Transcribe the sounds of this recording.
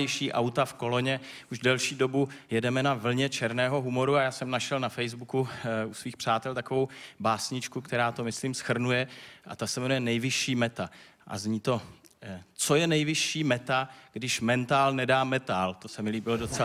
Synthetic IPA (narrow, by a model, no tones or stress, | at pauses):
ɪʃiːʔawt̪afko̞lo̞ɲɛ | ʔuʒdɛlʃiːdo̞bujɛdɛmɛnavl̩ɲɛt͡ʃɛɾnɛːɦo̞ɦumo̞ɾuajaːsɛmnaʃɛlnafɛjzbukuusviːxpr̝̥aːt̪ɛlt̪akovo̞wbaːsɲɪt͡ʃkukt̪ɛɾaːt̪o̞mɪsliːmsxr̩nujɛʔa̰t̪asɛvɛnujɛnɛjvɪʃiːmɛt̪a | ʔa̰zɲiːt̪o̞ | t͡so̞jɛnɛjvɪʃiːmɛt̪aɡ̥dɪʃmɛnt̪aːlnɛdaːmɛt̪aːlt̪o̞sɛmɪliːbɪlodot͡sɛ